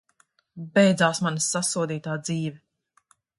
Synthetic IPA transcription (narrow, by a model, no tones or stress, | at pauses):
bɛjd̪zaːsmanisːasuɔd̪iːt̪aːd̪ziːvɛ